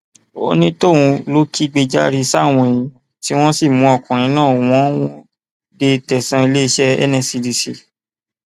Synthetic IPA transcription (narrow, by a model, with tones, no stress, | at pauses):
o̰˧nĩ˦tõ˦˨ũ˧lo˦ki˦ɡ͡be˧d͡ʒa˦ɾi˧sa˦˨w̃ɔ̃˧˨ĩ˧˦ | ti˦w̃ɔ̃˦si˦˨mũ˨˦ɔ˨kũ˨ɾ̃ĩ˨˦nãː˦˨w̃ɔ̃˦w̃ɔ̃˦ | de˧tɛ˨sã˧i˧le˦i˧ʃɛ˦ɛ̰˦nɛ̃˦˨si˧di˧sḭ˨